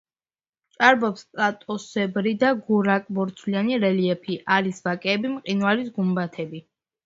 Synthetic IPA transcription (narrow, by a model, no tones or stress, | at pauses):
t͡ʃʼaɾbɔpskʼat̪ʼɔsɛbɾid̪aɡuɾakʼbɔɾt̪sʰlianiɾɛliɛpʰiʔaɾisvakʼɛːbimqʼinalisɡumbat̪ʰɛbi